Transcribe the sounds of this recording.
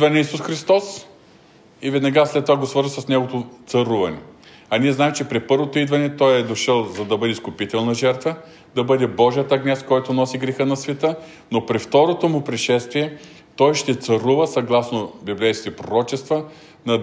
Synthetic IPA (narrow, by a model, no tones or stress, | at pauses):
d̪vɐnɛisusxɾist̪ɔs | ivɛd̪nɐɡaslɛt̪ːovaɡosvɤɾzəsɐsnɛɡot̪ot̪sɐɾuvɐnɛ̰ | ɐniɛznaɛmt͡ʃɛpɾɛpɤɾvot̪oid̪vɐnɛt̪ɔjɛd̪oʃəlˠzɐd̪ɐbɤd̪ʲɛskʊpit̪ɛlˠnɐʒɛɾt̪və | d̪ɐbɤd̪ɛbɔʒijət̪ɐɡnʲɛst̪kɔjt̪ʊnɔsiɡɾɛxənɐsvɛt̪ə | nopɾift̪ɔɾot̪omʊpɾɛʃɛst̪viɛ | t̪ɔjʃt̪ɛt̪sɐɾuvəsɐɡlˠasnobiblɛjskʲt̪ɛpɾoɾɔt͡ʃɛst̪və | nɐ